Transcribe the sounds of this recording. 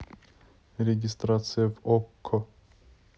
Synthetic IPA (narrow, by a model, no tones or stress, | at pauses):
ɾʲeɡʲɪst̪ɾat̪sɨjəvɔkʰːɔ